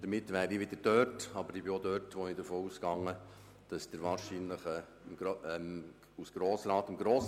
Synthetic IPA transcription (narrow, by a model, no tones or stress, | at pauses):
d̥əɾmɪtːʋæːɾiʋɪd̥̪əɾd̥øːtɑbəɾibiod̪øːtʋɔnidəfoːuskɑŋːə | d̥ɑsd̥əɾʋɑːɾʃinləχə | mɡɛm | usɡ̥ɾoːsɾɑːt̪əmɡɾɔːs